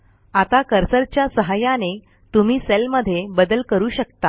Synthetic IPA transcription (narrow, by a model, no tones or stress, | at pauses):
at̪akəɾsəɾt͡ɕjasəɦajane | t̪um̤iːselməd̪ʱːjebəd̪əlkəɾuːɕəkt̪a